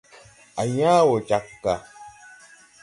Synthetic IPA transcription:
a˨jaː˦wo˨t͡ʃa˨kːa˨

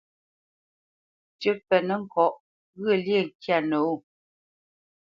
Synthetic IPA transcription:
t͡ʃə˦pɛ˨nə˨ŋ̩˨kɔ˨ʔ | ɣə˦˨lje˦˨ŋ̩˨kja˦˨no˨o˦˨

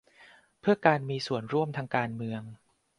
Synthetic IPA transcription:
pʰɯ˥˩ɐkaː˧nmiː˧su˨˩ənɾu˥˩əmt̪ʰaː˧ŋkaː˧nmɯ˧əŋ

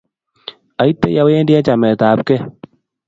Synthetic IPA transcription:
a˨i˦tːe˦ja˨we˦ndjɛ˦t͡ʃa˨mɛ˨t̪aː˨˦p̚kɛ˦

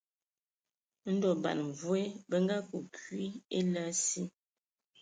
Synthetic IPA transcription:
n̩˦dɔ˨ba̰˨n˨vu˦e˦bə˦ŋɡa˦ku˨kɥi˦e˦la˦si˦

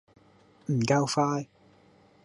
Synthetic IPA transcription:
m̩˨˩ka˧wfaː˧j

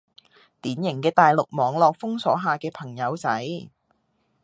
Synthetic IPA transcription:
t̪iː˨˥njɪ˨˩ŋkɛː˧t̪aː˨jlʊ˨k̚mɔː˨˧ŋlɔː˨k̚fʊ˥ŋsɔː˨˥ɦaː˨kɛː˧pʰɐ˨˩ŋjɐ˨˧wt͡sɐ˨˥j

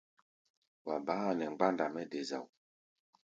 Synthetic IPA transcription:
wa˨baː˨˦˨nɛ˨ŋ͡mɡ͡ba˦nda˨mɛ˦de˨za̰˨w

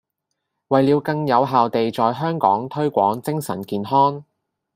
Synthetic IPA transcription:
wɐ˨jliː˨˧wkɐ˧ŋjɐ˨˧wɦaː˨wt̪e˨jt͡sɔː˨jɦœː˥ŋkɔ̰ː˨˥ŋt̪ʰɵ˥ɥkʷɔ̰ː˨˥ŋt͡sɪ˥ŋsɐ̰˨˩nkiː˨nɦɔː˥ŋ

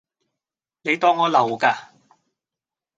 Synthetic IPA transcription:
ne˨˧jt̪ɔː˧ŋːɔː˨˧lɐ˨˩wkaː˧

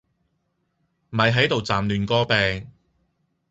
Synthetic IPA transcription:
m̩˨ɐ˨jɦɐ˨˥jt̪o˨wt͡saː˨˩mlyː˨nkɔː˥pɛː˨ŋ

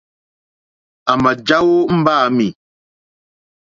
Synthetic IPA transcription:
a˨ma˨d͡ʒa˦wo˦m̩˦baː˦˨mi˨

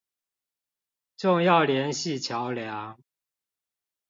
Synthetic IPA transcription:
ʈ͡ʂʊ˥˧ŋjɑ˥˩ʊljɛ˨˦˥nɕi˥˨t͡ɕʰjɑ˨˦ʊljaɑ˧˦ŋ

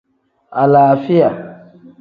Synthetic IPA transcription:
a˨laː˨fi˦ja˨

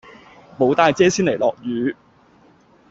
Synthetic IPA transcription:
mo˨˥wt̪aː˧jt͡sɛː˥siː˥nle˨˩lɔː˨k̚jyː˨˧

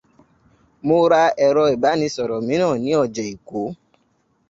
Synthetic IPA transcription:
mʊ˦ɾa˦ɛ˨ɾɔ˧e˨ba˦nĩ˧sɔ˨ɾɔ˨mĩ˦nɔ̃˦˨nĩ˦ɔ˦˨d͡ʒe˨i˨kʷo˨˦

